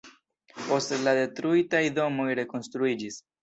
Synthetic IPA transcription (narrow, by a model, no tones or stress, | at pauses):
po̞stlade̞tɾuitajdo̞mo̞jɾe̞ko̞nstɾuid͡ʒis